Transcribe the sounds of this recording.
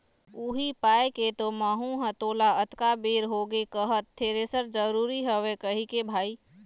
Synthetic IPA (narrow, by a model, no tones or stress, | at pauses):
uːɦipaːeket̪omaːɦũɦət̪oːlaət̪kabeːɾɦoːɡekəɦət̪ʰːeːɾesəɾd͡ʒəɾuːɾiɦəʋekəɦikebʱaːiː